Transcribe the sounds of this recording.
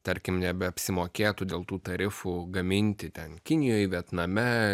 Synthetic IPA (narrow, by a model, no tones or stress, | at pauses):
t̪ɐɾʲkʲɪmnʲɛbʲɛɐpʲsʲɪmoːkʲeːt̪ud̪ʲeːlˠt̪uːt̪ɐɾʲɪfuɡɐmʲɪnʲt̪ʲɪt̪ʲɛnkʲɪnʲɪjoːjʋʲiɛt̪nɐmʲɛ